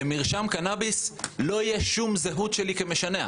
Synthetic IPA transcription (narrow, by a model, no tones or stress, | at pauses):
emiʁʃamkanabislo̞ijeʃumzeɦut̪ʃelikemeʃanea̰